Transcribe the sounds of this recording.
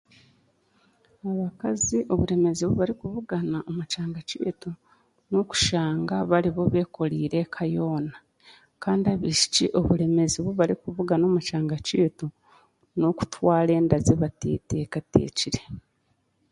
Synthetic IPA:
aβakaziʔo̞βuɾe̞me̞ziβuβaɾikuβuɡanaʔomut͡ʃaːŋɡacḭːtu | noku̥ʃaːŋɡaβaɾiβo̞βe̞ːko̞liːɾe̞kʰajo̞ːna | kaːndiaβiʃi̥ciʔo̞βuɾe̞me̞ziβuβaɾikuβuɡano̞ːmut͡ʃaːŋɡaciːtu | noku̥twaːle̞ːndazeβatḭːteːkatḛːciɾe

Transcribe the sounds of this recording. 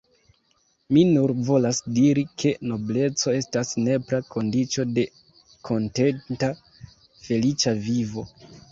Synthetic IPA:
minuɾvo̞lasdiɾikʰe̞no̞ble̞t͡so̞e̞stasne̞pɾakʰo̞ndit͡ʃo̞de̞ | kʰo̞nte̞nta | fe̞lit͡ʃavivo̞

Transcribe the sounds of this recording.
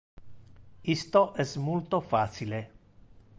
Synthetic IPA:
ist̪oʔɛsmult̪ofaːt͡ʃile

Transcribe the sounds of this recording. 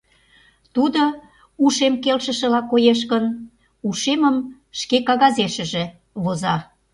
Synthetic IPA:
t̪ud̪o | uʃemkelʃə̆ʃə̆lɑkojeʃ̬kən | uʃeməm | ʃkekɑɣɑzeʃə̆ʒe | βozɑ

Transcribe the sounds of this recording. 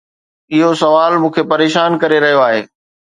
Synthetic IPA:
ɪɦosɐʋaːlmũːkʰepɐɾeːʃaːnkɐɾeɾɐɦijoaːɦḛː

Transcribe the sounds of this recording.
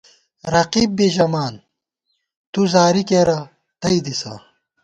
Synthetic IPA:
ɾɐqiːb̚ːiʑɐmaːn | t̪uzaːɾikeɾɐ | t̪ɐid̪isa̰ː

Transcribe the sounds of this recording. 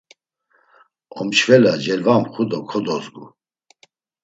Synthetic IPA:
ɔmt͡ʃʰvɛlad͡ʒɛlvamχud̪ɔkʰɔd̪ɔzɡṵ

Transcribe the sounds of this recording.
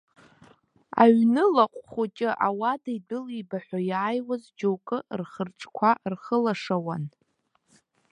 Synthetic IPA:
a̰ɥnɨlaqʷʼχut͡ʃʼɪʔawadaidɨlibaħʷᶣajaːjwazd͡ʒowkʼɨrχərʈ͡ʂʼkʷʰarχəlaʂawan

